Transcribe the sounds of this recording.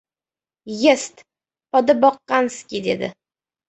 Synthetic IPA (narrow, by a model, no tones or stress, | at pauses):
jest̪ | pɒd̪ɨbɒqːɑnskʲid̪ed̪ɪ̰